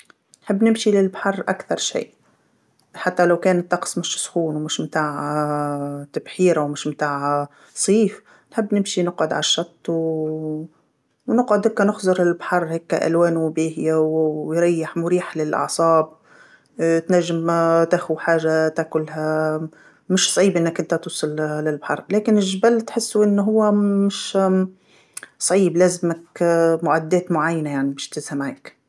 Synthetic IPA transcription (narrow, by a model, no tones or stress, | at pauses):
nħɪbːnɪmʃilɪlbaħɑrˤːʔa̰kθɑɾˤʃḭː | ħat̪ːalawkeːnɪt̪ːɑqsˤmɪʃsxuːnwmɪʃmt̪aːʕ | t̪abħiːɾawmɪʃmt̪aːʕa | sˤiːf | nħɪbːnɪmʃinɪqʕʊd̪ʕalʃːɑt̪ˤː | wnɪqʕʊd̪heːkːanʊxzˤʊɾɪlbħɑrˤːheːkːa̰ʔa̰lweːnubiːɦɪjawwjɾɑjːɪħmʊɾiːħlɪlʔɑ̰ʕsˤɑːb̚ | t̪naʒːɪmt̪axuħaːʒːat̪aːkʊlha | mɪʃsˤɑʕiːbʔɪnːakʔɪnt̪at̪uːsˤɑllɪlbħɑ̰ɾˤleːkɪnɪʒbalːt̪ħɪsːuʔɪnːɦʊwːamɪʃ | sˤʕiːblaːzɪmakmʊʕad̪ːeːt̪mʊʕajːanajaʕnibɪːʃt̪ɪzhamʕeːk